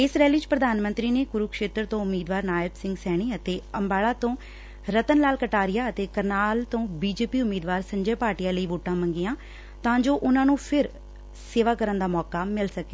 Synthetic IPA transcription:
ɪsɾɛːliːt͡ʃpɾəd̪aːnmənt̪ɾiːneːɡʊɾuːkʃeːt̪ɾt̪õːʊmːiːd̪ʋaːɾnaːjɪbsɪ̃ŋɡsɛːɽ̃iːət̪eːəmbaːɭaːt̪õː | ɾət̪ənlaːlkəʈaːɾɪjaːət̪eːkəɾnaːlt̪õːbiːd͡ʒeːpiːʊmːiːd̪ʋaːɾsə̃ɲd͡ʒeːpaːɾʈijaːləiːʋoːʈãːməŋɡɪjãː | t̪ãːd͡ʒoːʔʊnãːnũːpʰɪɾ | seːʋaːkəɾənd̪aːmɔːkaːmɪlsəke̥

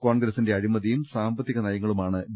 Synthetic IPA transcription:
koːɳɡɾɐsinde̞ɐɻimɐðijumsaːmbɐt̪ːiɣɐnɐjɐŋːɐɭumaːɳɨb

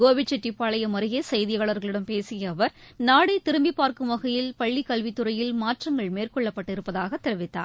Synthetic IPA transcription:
ɡoːʋɪt͡ʃːɛʈːipːaːɭɐjɐmɐɾɐɣeːsɐjðɪjaːɭɐɾɣɐɭɪɽɐmpeːsɪjɐːʋɐɾnaːɽɐɪt̪ɪɾɯmbɪpːaːɾkɯmʋɐɣɐjɪlpɐɭːikːɐɭʋit̪ːɯɾɐjɪlmaːʈrɐŋɡɐɭmeːrkɔɭːɐpːɐʈːɪɾɯpːɐðaːɣɐt̪ːɛɾɯʋɪt̪ːa̰ː

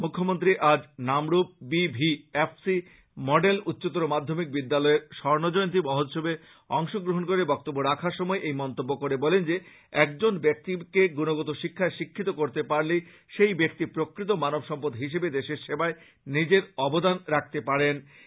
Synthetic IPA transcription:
mukʰːomont̪ɾiʔad͡ʑnamɾup̚bibʱiefsi | mɔɖelut̪ːɕot̪oɾomad̪ʱːomik̚bid̪ːalɔeɾʃɔɾnod͡ʑɔjont̪ɾibɔɦot̪ʃobe | ɔŋʃoɡɾoɦonkoɾebɔk̚t̪obːoɾakʰaɾʃɔmɔeʔejmɔnt̪obːokoɾebɔlend͡ʑe | ɛk̚d͡ʑonbek̚t̪ikeɡunoɡot̪oʃikʰːaeʃikʰːit̪okoɾt̪epaɾle | ʃejbek̚t̪ipɾokɾit̪̬omanobʃɔmpod̪ɦiʃ̬ebed̪eʃeɾʃebae | nid͡ʑeɾɔbod̪anɾak̚ʰt̪epaɾen

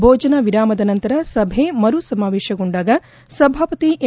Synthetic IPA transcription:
bʱoːd͡ʒɐnɐʋiɾaːmɐd̪ɐnɐnt̪ɐɾɐsɐbʱemɐɾusɐmaːʋeːʃɐɡoɳɖaːɡɐ | sɐbʱaːpɐt̪iʔe

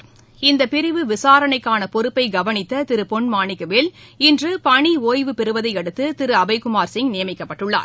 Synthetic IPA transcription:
ɪnd̪ɐpɪɾɪʋɯʋɪsaːɾɐɳɐɪkːaːnɐpɔɾɯpːɐɪɡɐʋɐnɪt̪ːɐt̪ɪɾɯpɔɳmaːɳɪkːɐʋɪlɪndrɯpɐɳioːjʋɯpɛɾɯʋɐðɐɪɛɽɯt̪ːɯt̪ɪɾɯɐbɐɪkʊmaːɾsɪŋɡnɪjɐmɪkːɐpːɐʈːɯɭːa̰ːɾ

